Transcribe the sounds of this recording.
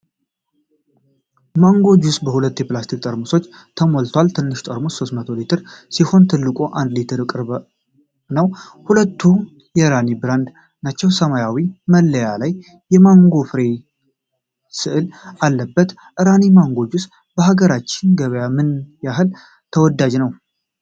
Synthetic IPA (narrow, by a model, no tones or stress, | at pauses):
maŋɡo̞d͡ʒusbəhulət̪ːjɛplast̪ʰik̚ʼt̪ʼəɾmuso̞t͡ʃːt̪ʰəmolt̪ʰwalt̪ʰɨnːɨʃt̪ʼəɾmoso̞st̪mət̪ʰo̞lit̪ʰɨɾsiho̞nt̪ʰɨlːɨkʼo̞ʔand̪lit̪ʰɨɾɨkʼɨɾβ | nəw | hulət̪ʰːu | jɛɾanibɨɾand̪ | nat͡ʃːɛwsəmajawiməlːəjalajː | ɛmaŋɡo̞fɨɾe̞ | sɨʔɨlalːəbːət̪ | ʔɨɾanimaŋɡo̞d͡ʒus | bəhaɡəɾat͡ʃːɪnɡəβəjamɨnjaɦɨl | t̪ʰəwɔd̪ːad͡ʒnəw